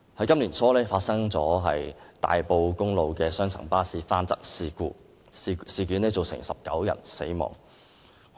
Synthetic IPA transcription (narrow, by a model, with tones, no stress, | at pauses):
hɐ˨˥jkɐ˥mli˨˩nsʰɔː˥lɛː˥faː˧t̚sɐ˥ŋt͡sɔː˨˥ɦɐ˨jt̪a̰ː˨jpo˨˧wkʊ˥ŋlo˨˧wkɛː˧sœː˥ŋt͡sʰɐ̰˨˩ŋpaː˥siː˧faː˥nt͡sɐ˥k̚siː˨˧kuː˧ | siː˨˧ky˨˥nlɛː˥t͡so˨wsɪ̰˨˩ŋsɐ˨p̚kɐ˨˥wjɐ̰˨˩nse˨˥jmɔ̰ː˨˩ŋ